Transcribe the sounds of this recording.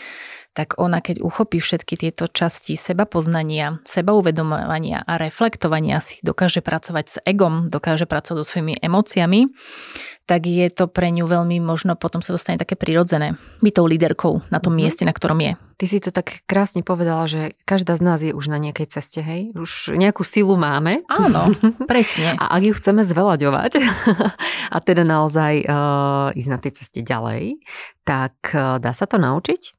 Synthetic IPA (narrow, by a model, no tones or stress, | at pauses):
t̪aɡɔnakɛɟṵxɔpiːfʃɛt̪kit̪ɪɛt̪ɔt͡ʃascisɛbapɔznaɲɪasɛbauʋɛd̪ɔmɔʋaɲɪa̰ʔaɾɛflɛkt̪ɔʋaɲɪa̰si̥d̪ɔkaːʒɛpɾʔat͡sɔʋaɟz̥ɛɡɔmd̪ɔkaːʒɛpɾat͡sɔʋaɟzɔsʋɔimiʔɛmɔːt͡siami | t̪aɡjɛt̪ɔpɾɛɲuʋɛʎmimɔʒnɔpɔt̪ɔmsad̪ɔst̪aɲɛt̪akɛːpɾiɾɔd͡zɛnɛːbit̪ɔʊlid̪ɛɾkɔʊnat̪ɔmːɪɛscɛnakt̪ɔɾʔɔmjɛ̰ | t̪isit̪ɔt̪akːɾaːsɲɛpɔʋɛd̪alaʒɛkaʒd̪aːznaːzjɛʔuʒnaɲɪakɛjt͡sɛscɛɦɛjuʒɲɛakuːsilˠumaːmɛaːnɔpɾɛsɲɛa̰ʔaɡjuxt͡sɛmɛzʋɛlaɟɔʋa̰c | ʔa̰t̪ɛd̪anaɔzaj | iznat̪ɛjt͡sɛscɛɟa̰lɛ̰jt̪akd̪aːsat̪ɔna̰ut͡ʃic